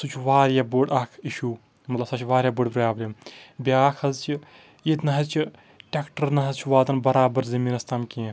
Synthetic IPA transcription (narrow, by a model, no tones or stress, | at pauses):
sut͡ʃʰʋaːɾjaboɖɐːkʰiʃuː | mɐt̪lɐbsɐt͡ʃʰʋaːɾjaːbuɖpɾaːblʲembjaːkʰɐzt͡ʃʰi | et̪nɐɦɐzt͡ʃʰi | ʈʲekʈəɾnɐɦɐzt͡ʃʰiʋaːt̪ɐnbɐɾaːbɐɾzɐmiːnɐst̪ɐmkẽː